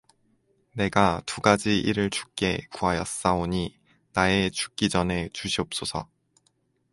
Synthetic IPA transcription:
ne̞ɡatuɡad͡ʑiʔiɾɯɭt͡ɕu̥k̚k͈e̞kuajʌs͈aoɲi | nae̞t͡ɕu̥k̚k͈id͡ʑʌne̞t͡ɕuɕʰiʌp̚s͈osʰʌ̰

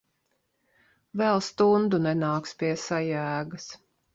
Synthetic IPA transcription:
vɛlˠst̪und̪unɛnaːkspʲiɛsajæːɡɐs

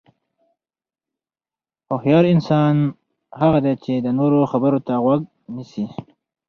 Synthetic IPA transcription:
ohjɑɾɪnsɑn | haɣad̪et͡ʃed̪ənoɾoxabəɾot̪aɣwaɡ̚ | nisi

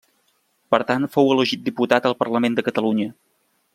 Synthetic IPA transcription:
pəɾt̪anfowələʒit̪̚d̪iput̪at̪əlˠpərləmend̪əkət̪əluɲə

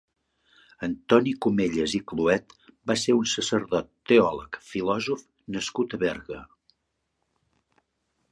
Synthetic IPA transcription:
ənt̪ɔnikumeʎəzikluɛt̪baseɾunsəsəɾðɔt̪ːeɔləkfilɔzuf | nəskut̪əβɛɾɣə

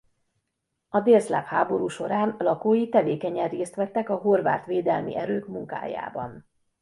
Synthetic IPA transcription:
ɒd̪eːrzla̰ːphaːbo̞ɾuːʃo̞ɾaːnlɒkoːjit̪ɛveːkɛɲɛreːst̪ʋɛt̪ːɛkɒɦo̞rʋa̰ːt̪ʋeːd̪ɛlmḭʔɛɾøːkmuŋka̰ːja̰ːbɒ̰n

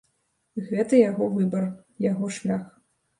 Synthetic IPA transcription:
ɣvʲɛt̪ɨjaɣɔvɨbɐr | jaɣɔʂlʲax

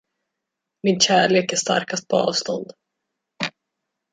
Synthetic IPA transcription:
mɪnɕæːɭeːkæʂt̪a̰ɾkast̪̚pʰɔɑ̰ːvst̪ɔnd̪

